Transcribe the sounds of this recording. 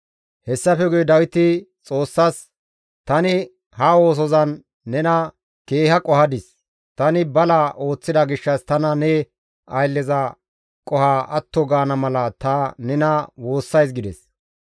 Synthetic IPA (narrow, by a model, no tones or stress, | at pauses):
hɛsːɐfɛɡʊjɛd̪ɐwɪt̪ɪt͡sʼo̞ːsːɐs | t̪ɐnɪ | hɐwo̞ːs̬ɔzɐnː | ɛnɐ | ke̞ːhɐkʼɔhɐd̪ɪs | t̪ɐnɪbɐlaʔo̞ːt͡sːɪd̪ɐɡɪʃːɐst̪ɐnɐnɛ | ɐjlːɛzɐ | kʼɔhaːʔɐt̪ːɔɡaːnɐmɐlɐt̪ɐnɛnɐwo̞ːsːɐjsɡɪd̪ɛs